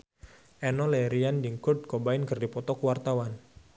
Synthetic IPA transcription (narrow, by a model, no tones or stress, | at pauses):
ʔɛnɔlɛɾiandiŋkurd̚kɔbaɪnkərdipɔt̪ɔkuwart̪awan